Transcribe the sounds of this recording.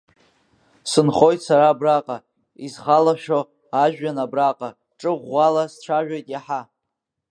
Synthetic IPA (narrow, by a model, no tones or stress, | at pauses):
sɨnχo̞jtʰʼsaɾaːbraqʼa | izχalaʃᶣo | aʒᶣanabraqʼa | ʈ͡ʂʼɨʁʷːalasʈ͡ʂʷʰaʒᶣajtʼjaħa